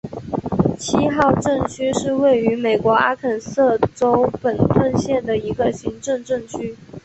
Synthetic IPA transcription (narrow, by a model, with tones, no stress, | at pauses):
t͡ɕʰi˥xɑ˥˧ʊʈ͡ʂɤ˥˩ŋt͡ɕʰy˥ʂɻ̩˥˧we˥˩ɪy˧˥me˨˩ɪkwɔ˧˥a˥kʰə˨˩nsɤ˥˩ʈ͡ʂo˥ʊpə˨˩nt̪ʰwə˥˧nɕjɛ˥˩nd̪ə˩i˧˥ɡə˧ɕi˧˥ŋʈ͡ʂɤ˥˧ŋʈ͡ʂɤ˥˧ŋt͡ɕʰy˥